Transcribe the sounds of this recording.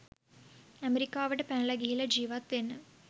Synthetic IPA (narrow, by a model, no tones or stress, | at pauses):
ɐmeɾikːaːʋiɽepɐnɭɐɡijilɐd͡ʑiːʋɐt̪ːenːɨ